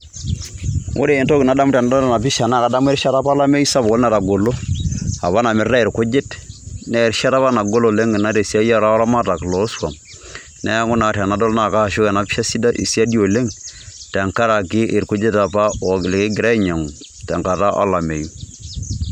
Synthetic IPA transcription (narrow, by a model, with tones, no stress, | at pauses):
ʔo̰˦ɾeː˨nto˦kɪ˨na˨da˦m˦tɛ˨na˦dɔ˦lna˨pi˦ʃa˨na˦˨ka˨da˦m˦e˦ɾʃa˦ta˦pa˦la˦me˦ju˦sa˦bo˦lna˦˨ta˨ɡo˨lo˦a̰˨βa˦na˨mɪ˨ɾɾa˦e˨ɾko˦d͡ʒe˦tnɛ˦˨ɾʃa˦ta˦pa˦na˨ɡo˦lo˨le˦ŋɪ˨na˦te˨si˦a˦ja˦ɾa˦ɾa˦ma˦ta˨klɔ˨˦swa̰˨m | nɛ˦ŋʊ˦na˨ta˨na˨˦dɔ˦lna˦˨ka˦˨ʃo˦kɛ˨na˨˦pʃa˦si˦da˦ʔḭ˨si˦a˦di˦o˨le˦ŋtɛ˨ŋka˦ɾa˨kɪ˦ʔɪ˨ɾku˦d͡ʒe˦ta˨pa˦ɔ˨lɪ˨kɪ˦ɡɪ˨ɾa˦i˦ɲa˨ŋ˨ | tɛ˨ŋka˨ta˦ʔa̰˦la˨me˨ju˦